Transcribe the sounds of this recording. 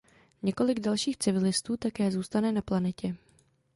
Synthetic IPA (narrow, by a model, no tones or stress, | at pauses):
ɲɛko̞lɪɡdalʃiːxt͡sɪvɪlɪst̪uːt̪akɛːzuːst̪anɛnaplanɛcɛ